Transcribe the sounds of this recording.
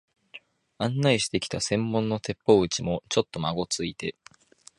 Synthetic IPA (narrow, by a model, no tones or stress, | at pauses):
ãnːaiɕi̥t̪e̞kʲi̥t̪asẽ̞mːõ̞nːo̞t̪e̞pːo̞ɯ̟t͡ɕimo̞t͡ɕo̞t̪ːo̞maɡo̞t͡sɨit̪e̞